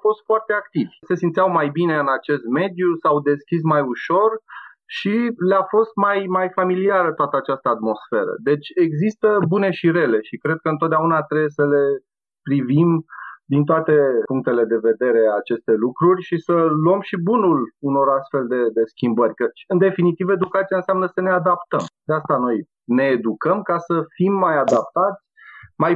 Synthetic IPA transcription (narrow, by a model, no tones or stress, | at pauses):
afo̞st̪foart̪e̞ak̚t̪ivʲse̞sint̪siawmajbine̞ɨnat͡ʃe̞st̪̚me̞d̪jusawd̪e̞skʲis̬majuʃo̞r | ʃilafo̞st̪majmajfamiliaɾət̪oat̪əat͡ʃast̪əat̪mo̞sfe̞ɾə̰d̪e̞t͡ʃʲe̞ɡzist̪əbune̞ʃiɾe̞le̞ʃikɾe̞d̪̚kəɨnt̪ot̪d̪eaunat̪ɾebjesəle̞ | pɾivimd̪int̪̬oat̪e̞puŋk̚t̪e̞le̞d̪e̞ve̞d̪e̞ɾe̞aːt͡ʃe̞st̪e̞lukɾurʲʃisəluəmʃibunuluno̞ɾast̪fe̞ld̪e̞d̪e̞skʲimbərʲkət͡ʃɨnd̪e̞finit̪ive̞d̪ukat̪sijaɨnseamnəsənead̪apt̪əmd̪̥east̪ano̞j | ne̞ːd̪ukəmkasəfimːajad̪ap̚t̪at̪sʲmaj